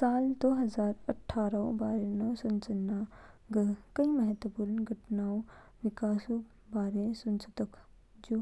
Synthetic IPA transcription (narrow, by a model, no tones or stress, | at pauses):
saːld̪oːɦɐzaːɾɐʈʰːaːɾɐõ̰baːɾenɐsʊnt͡ʃənːa | ɡəkɐĩmɐɦət̪əpuɾənɡʱɐʈnaːõ | ʋɪkaːsũ | baːɾesʊnt͡ʃət̪əkʰ | d͡ʒoː